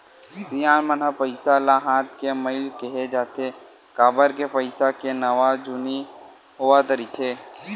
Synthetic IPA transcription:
sijaːnmənəpəɪsalaɦãːt̪kemɐɪlkeɦed͡ʒaːt̪e | kaːbəɾkepəɪsakenɐʋad͡ʒʊni | ɦoʋat̪əɾit̪ʰeː

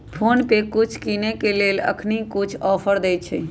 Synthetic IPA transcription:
pʰonpekut͡ʃʰkinekelelə̰kʰnikut͡ʃʰɔpʰəɾd̪ɛj̪t͡ʃʰɛ

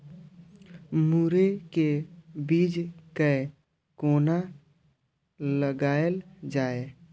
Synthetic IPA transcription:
muːɾekebiːd͡ʒkə | koːna | ləɡaːeld͡ʒaːe

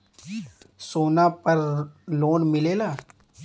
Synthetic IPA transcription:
soːnapɐɾloːnmɪleːlaː

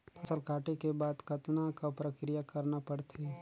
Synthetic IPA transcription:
ɐsəlkaːʈekebaːd̪kɐt̪nakapɾəkɾijakɐɾnapɐɽt̪ʰeː

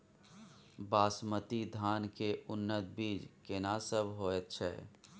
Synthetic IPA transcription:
baːsmət̪id̪ʱaːnkeʔʊnːət̪̚biːd͡ʒkenasəbɦoːɛt̪t͡ʃʰɛ̰ː

